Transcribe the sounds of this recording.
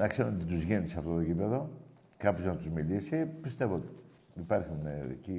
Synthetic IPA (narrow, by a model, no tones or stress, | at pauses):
nɐkseɾunot̪it̪uzʝenisɐft̪o̞t̪ocipeðo̞ | kɐpçoznɐt̪uzmilisipist̪evoot̪i | ipɐɾçunḛci